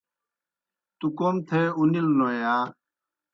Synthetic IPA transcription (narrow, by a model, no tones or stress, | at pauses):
t̪ukomt̪ʰeːunilnojaː